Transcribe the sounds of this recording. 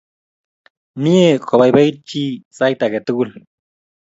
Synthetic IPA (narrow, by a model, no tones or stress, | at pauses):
niekʰoβajbajt͡ʃisajt̪aɡet̪uɣul